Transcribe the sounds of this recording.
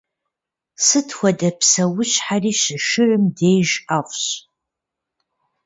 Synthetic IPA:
sɨtʰxʷɐdɐpsɐwʊɕħariːʃɨʃɨrɨmdejʒaχʷʼɕ

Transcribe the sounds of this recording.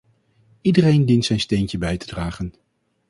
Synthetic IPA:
idərejndintsɛjnstejncəbɛjtədraːχən

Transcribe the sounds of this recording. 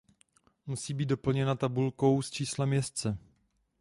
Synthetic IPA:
musiːbiːd̪do̞pl̩ɲɛnat̪abulko̞wst͡ʃiːslamjɛst͡sɛ

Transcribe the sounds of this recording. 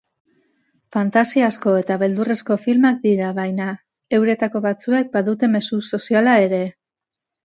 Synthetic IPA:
fant̪asiasko̞e̞t̪aβe̞ld̪ure̞sko̞filmak̚d̪iɾaβajna | e̞wɾe̞t̪ako̞βat͡sue̞k̚baðut̪e̞me̞suso̞sialae̞ɾe̞

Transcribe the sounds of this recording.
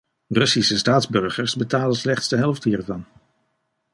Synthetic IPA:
rɵsisəstaːdzbɵɹχəɹsbətaːləslɛχtsdəɦɛlˠfdhiːɹvɑn

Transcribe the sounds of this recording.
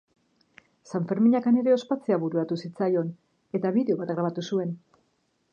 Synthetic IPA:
saɱfe̞ɾmiɲakane̞ɾe̞o̞spat͡seaβuɾuat̪usit͡sajo̞n | e̞t̪aβiðe̞o̞βat̪ɣɾaβ̞at̪usue̞n

